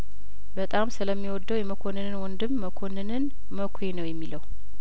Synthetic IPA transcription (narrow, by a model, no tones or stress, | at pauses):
bət̪ʼamsɨləmːiwɔd̪ːəwjɛməkʷʰonɨnɨnwɔnd̪ɨmːəkʰonɨnɨn | məkʰʷenəwjɛmːiləw